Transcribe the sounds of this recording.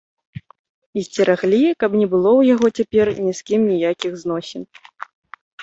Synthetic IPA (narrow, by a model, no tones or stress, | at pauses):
isʲt͡sʲɛɾaɣlʲikɐpnʲɛbɨlˠɔwjaɣɔt͡sʲapʲɛrnʲiskʲimnʲijakʲiɣznɔsʲɛn